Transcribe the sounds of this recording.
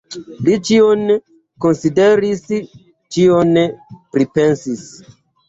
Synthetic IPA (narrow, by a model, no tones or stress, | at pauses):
lit͡ʃion | ko̞nsideɾis | t͡ʃionpɾipensis